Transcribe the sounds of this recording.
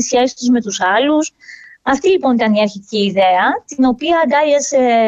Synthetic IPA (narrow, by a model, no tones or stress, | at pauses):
sçesi̥t̪uzme̞t̪usɐlusɐft̪ilipo̞nit̪ɐniɐɾçit̪iciːðe̞ɐt̪ino̞piɐːd̪ɐʝese